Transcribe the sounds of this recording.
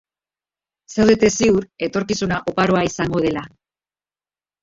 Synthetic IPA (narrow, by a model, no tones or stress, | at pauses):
sewðet̪e̞siuɾe̞t̪o̞ɾkisunaʔo̞paɾo̞aisaŋɡo̞ð̞e̞la